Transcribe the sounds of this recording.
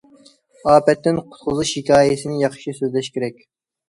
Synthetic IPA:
ɑːpɛt̪ːɪnqʰʊ̥t̪qʊzuʃhikʲɑːjɪsɪnɪjɑχʃisøzlɛʃkʲʰeɾɛkʲ

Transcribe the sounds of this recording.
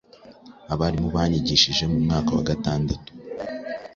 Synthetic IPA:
aβaɾimuβaːɲiɟiʃiʒe̞mumŋaːkawaɡataːndatu̥

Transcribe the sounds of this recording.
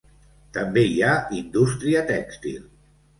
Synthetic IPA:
t̪əmbeiaind̪ust̪ɾiət̪ɛkst̪ḭlˠ

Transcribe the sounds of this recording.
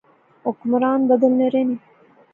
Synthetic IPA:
okmɾɑːnb̪ad̪əlneɾeni

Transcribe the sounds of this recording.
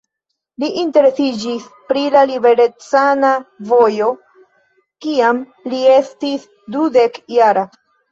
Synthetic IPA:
liʔinte̞ɾe̞sid͡ʒispɾilalibe̞ɾet͡sanavo̞jo̞ | kiam | lie̞stis | dude̞kjaɾa

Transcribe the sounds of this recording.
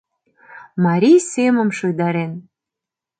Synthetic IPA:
mɑɾʲijsemə̆mʃojd̪ɑɾen

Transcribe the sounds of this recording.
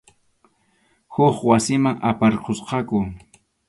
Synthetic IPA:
hʊχwasɪmaŋa̰paɾqʰosqɑkʊ

